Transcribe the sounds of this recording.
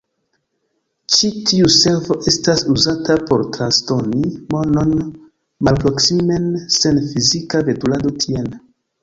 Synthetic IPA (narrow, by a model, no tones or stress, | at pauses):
t͡ʃitʰiuse̞ɾvo̞ʔe̞stasuzatapo̞ɾtɾasto̞nimo̞no̞n | malpɾo̞ksime̞nse̞nfizikave̞tulado̞tʰien